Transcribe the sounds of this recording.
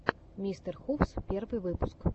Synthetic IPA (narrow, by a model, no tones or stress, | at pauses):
mʲist̪ɛrxufspʲɛrvɨvɨpusk